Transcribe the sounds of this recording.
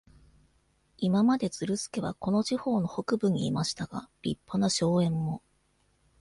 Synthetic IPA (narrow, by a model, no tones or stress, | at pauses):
imamad̪e̞t͡sɨɾɯ̟sɨ̥ke̞βa̰ko̞no̞ʑiho̞ːno̞ho̞kɯ̟bɯ̟ɲ̟iːmaɕi̥t̪aɡ̥a̰ɾʲḭpːanaɕo̞ːẽ̞mːo̞